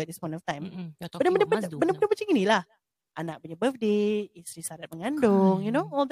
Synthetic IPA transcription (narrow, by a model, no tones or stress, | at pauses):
ɛt̚d̪ispɔ̃j̃ntɔft̪ãj̃məndəbənəpbəbəndəbəndəpət͡ʃiŋinilah | ʔanaʔ̚puɲabəfdeist̪ɾisaɾat̪̚məŋãndʊŋjunoɔld